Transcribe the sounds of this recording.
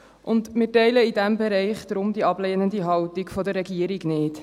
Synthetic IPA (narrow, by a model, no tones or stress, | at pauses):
ʔʊndmɪːtɛɪləidæmbɛɾɛɪχd̥̪ɾʊmd̪iɑbleːnənd̪iɦɑwtikfɔdərːɛɡiəɾiɡnɪːt